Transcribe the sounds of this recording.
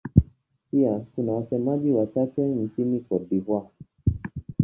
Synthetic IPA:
piakunawasɛmaʄiwat͡ʃatɛn̩t͡ʃinikɔɗiɦwa

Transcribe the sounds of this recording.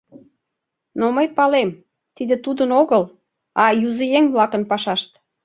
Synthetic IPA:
noməjpɑlem | t̪id̪ĕt̪ud̪ənoɣəl | ɑjuzejeŋβlɑkənpɑʃɑʃt̪

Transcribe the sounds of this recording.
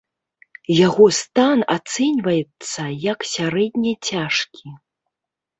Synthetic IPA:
jaɣɔst̪ana̰t̪sɛnʲvɐjɛt̪sːɐjɐksʲaɾɛdʲnʲɛt͡sʲaʂkʲi

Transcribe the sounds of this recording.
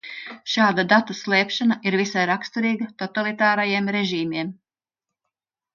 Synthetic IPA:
ʃaːd̪ad̪at̪aslˠɛːpʃanaʔiɾvisajɾakst̪uɾiːɡɐt̪ot̪alˠit̪aːɾajiɛmɾɛʒiːmiɛm

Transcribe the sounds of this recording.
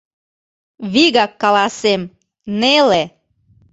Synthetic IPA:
βiɣɑkːɑlɑsem | nele

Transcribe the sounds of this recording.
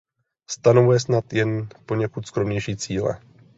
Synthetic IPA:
st̪ano̞vujɛsnat̪jɛnpoɲɛkut̪skɾomɲɛjʃiːt͡siːlɛ̰

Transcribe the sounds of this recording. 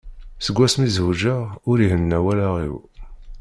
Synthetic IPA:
səɡʷːæsmizuʒəʁʊɾiɦənːæwælaʁḭw

